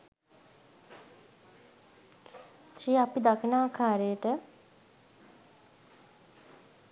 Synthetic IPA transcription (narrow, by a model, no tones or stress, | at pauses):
sɾiːapid̪akinaːʋkaːɾejəʈə